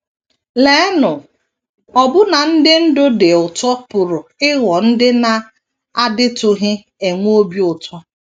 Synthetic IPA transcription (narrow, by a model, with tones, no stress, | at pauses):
le˨˦nʊ˨ | ɔ˨bʊ˦na˨n̩˦dɪ˦n̩˦dʊ˦de˨ʊ˨tɔ˦pʊ˨ɾʊ˨ɪ˦wɔ˨n̩˦dɪ˦na˨ | a˦dɪ˦tʊ˨ɦɪ˦ | e˨ŋʷ˦o˦bi˦ʊ˨tɔ˦